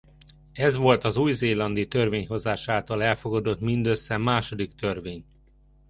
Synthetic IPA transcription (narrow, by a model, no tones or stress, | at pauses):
ɛzʋo̞lt̪ɒzuːjzeːlɒnd̪it̪ørveːɲɦo̞zaːʃaːlt̪ɒlɛlfo̞ɡɒd̪o̞t̪mind̪ø̞sːɛmaːʃo̞d̪ikt̪ørveːɲ